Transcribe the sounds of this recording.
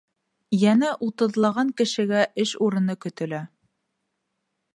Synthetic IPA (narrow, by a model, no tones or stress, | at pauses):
jænæʔut̪ɤ̆ðlˠɑʁɑŋkɘ̆ʃɘ̆ɡæʔɘʃuɾɤ̆nɤkɵ̆t̪ɘ̆læ